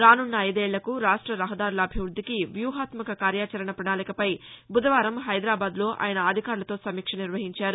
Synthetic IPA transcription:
ɾaːnuɳːɐɐjd̪eːɭːɐkuɾaːʂʈɾɐɾɐɦɐd̪aːɾulɐːbʱiʋɾud̪ʱːikiʋjuːɦaːt̪mɐkɐkaːɾjaːt͡ʃɐɾɐɳɐpɾɐɳaːnikɐpɐjbud̪ɐʋaːɾɐmɦɐjd̪ɾaːbaːd̪lo̞ːʔa̰ːjɐnɐɐd̪ʱikaːɾulɐt̪o̞ːsɐmiːkʂɐniɾʋɐɦiɲt͡ʃaːɾu

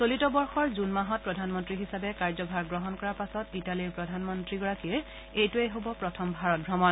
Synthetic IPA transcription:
solitɔbɔɹxɔɹzunmaɦɔt̚pɹɔdʱanmɔntɹiɦisabɛkaɹzɔbʱaɹɡɹɔɦɔnkɔɹaɹpasɔtitaliɹpɹɔdʱanmɔntɹiɡɔɹakiɹ | ejtuejɦobɔpɹɔtʰɔmbʱaɹɔt̚bɹɔmɔn

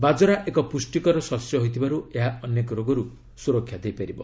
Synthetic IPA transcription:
bad͡ʒɔɾaʔekɔpusʈikɔɾɔsɔɾsjɔɦojt̪ʰibaɾueɦaɔnjekɔɾoɡɔɾu | suɾɔkʰːjad̪ejpaɾibɔ̰

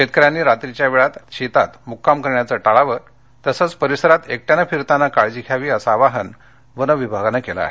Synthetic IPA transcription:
ɕet̪̚kəɾjanːiːɾat̪ɾit͡ɕjaʋeɭat̪ɕit̪at̪mukːamkəɾɳjat͡səʈaɭaʋəɾ | t̪əsəːt͡spəɾisəɾat̪ek̚ʈjanafiɾt̪anːakaɭd͡ʑikʰjaʋiːəsaʋaɦən | ʋənəʋibʱaɡanakela̰a̰ɦe

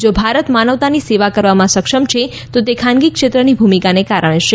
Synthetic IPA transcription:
d͡ʒobʱaɾət̪manəʋt̪aniseʋakəɾʋamãsəkʃəmt͡ʃʰe | t̪ot̪ekʰanɡikʃet̪ɾənibʱumikanekaɾəɳ̃eʃe

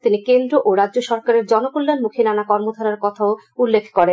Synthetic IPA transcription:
t̪inikend̪ɾoʔoɾadʑoʃɔɾkaɾeɾd͡ʑɔnokulːanmukʰinanakɔɾmod̪ʱaɾaɾkɔt̪ʰaoulːekʰkɔɾen

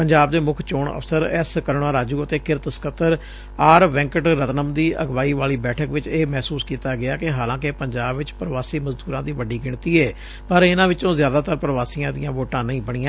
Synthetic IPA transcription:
pəɲd͡ʒaːbd̪eːmʊkʰt͡ʃoːɳə̰fʰsəɾɛːskəɾɳãːɾaːd͡ʒuːət̪eːkɪɾt̪sə̥kət̪ːəɾ | aːɾʋɛ̃ːŋkəʈɾət̪nəmd̪iːəɡʋaːiːʋaːliːbɛːʈʰəkʋɪt͡ʃeːmɛːsuːskiːt̪aːɡɪaːkɪɦaːlãːk̬epəɲd͡ʒaːbʋɪt͡ʃpɾʋaːsiːməzd̪uːɾãːd̪iːʋəɖiːɡɪɳt̪iːɛː | pəɾɪnãːʋɪt͡ʃõːzjaːd̪aːt̪əɾpəɾʋaːsiːãːd̪ɪjãːʋoːʈãːnəĩːbəɽ̃ɪːãː

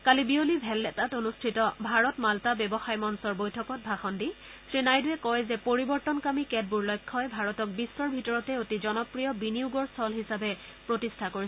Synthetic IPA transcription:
kalibiolibʱɛlːɛtatonustʰitɔbʱaɹɔtmaltabɛbɔxajmɔnsɔɹbojtʰɔkɔt̚bʱaxɔndi | sɹinajduɛkɔjzɛpoɹibɔɹtɔnkamikɛd̚buɹlɔjkʰːɔjbʱaɹɔtɔk̚bisːɔɹbʱitɔɹɔtɛotizɔnɔpɹijɔbinijuɡɔɹstʰɔlɦisabɛ | pɹotistʰakoɹi

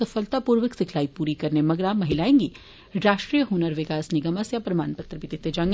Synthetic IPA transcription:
ɐfəlt̪apuːɾʋəksɪkʰlaːipuːɾikɐɾnemɐɡɽamɐɦɪlaːẽːŋɡi | ɾaːʃʈɾijəɦunəɾʋɪkaːsnɪɡəmasjapɾɐmaːnpɐt̪ɾəpɪt̪it̪ːed͡ʒãŋɡ

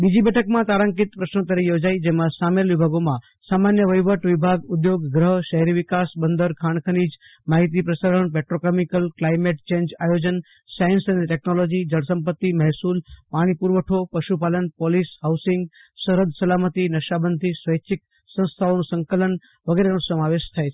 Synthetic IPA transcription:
bid͡ʒibɛʈʰəkmãt̪aɾaŋkit̪pɾəʃnot̪əɾijod͡ʒaid͡ʒemãsamelʋibʱaɡomã | samanjəʋəjʋəʈʋibʱaɡʊd̪joɡɡɾəɦʃəɦɛɾiʋikasbənd̪əɾkʰaɳ̃kʰənid͡ʒ | maɦit̪̬ipɾəsaɾəɳpɛʈɾokemikəlklajmeʈ̚t͡ʃẽɲd͡ʒajod͡ʒən | sajənsəneʈɛknolod͡ʒid͡ʒəɽsəmpət̪ːimɛɦsulpaɽ̃ipuɾʋəʈʰopəʃupalənpolisɦawsɪŋɡ | səɾəd̪ʱsəlamət̪inəʃabənd̪ʱisʋəjt͡ʃʰɪk | sə̃w̃st̪ʰaonũsə̃ŋkələn | ʋəɡeɾeñũsəmaʋeʃt̪ʰae

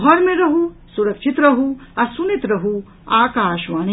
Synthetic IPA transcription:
ɦɔɾmẽɾɐɦusuɾɐkʃʰit̪ɾɐɦuaɾsunit̪ɾɐɦu | aːkaːʃʋaːn

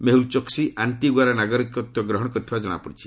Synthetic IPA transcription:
meɦult͡ʃɔksianʈiɡaɾɔnaɡɔɾikɔt̪jɔɡɾɔɦɔɽɔkɔt̪ʰibad͡ʒɔɽ̃a̰pɔɽit͡ʃʰi̥

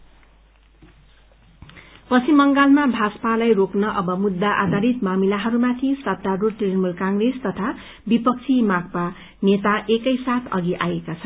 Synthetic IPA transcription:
pʌsʰimʌŋɡalmabʱaspalajroknʌʔʌbʌmud̪ːaʔa̰d̪ʱaɾit̪mamilaɦʌɾumat̪ʰisʌt̪̚ːaɾut̪ijʌnmulkãŋɡrest̪ʌt̪ʰa | bipʌk̚t͡sʰimak̚pa | net̪aʔekʌjsat̪ʰʌɡiʔajekat͡sʰʌn

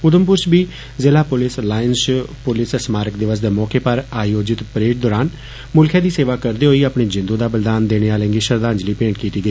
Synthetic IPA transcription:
ʊd̪əmpʊɾt͡ʃbiː | zeːlaːpʊlɪslaːjənt͡ʃpʊlɪsəsmaːɾəkd̪ɪʋəsd̪eːmɔːkeːpəɾaːjoːd͡ʒɪt̪pɾeːʈ̚d̪ɔːɾaːn | mʊlkʰɛ̃ːd̪iːseːʋaːkəɾd̪eːɦoːiːaːpɳeːd͡ʒɪ̃nd̪uːd̪aːbəld̪aːnd̪eːɽ̃eːaːlə̃ŋɡiːʃəɾd̪ãːɲd͡ʒliːpẽːɳʈkiːt̪iːɡəiː

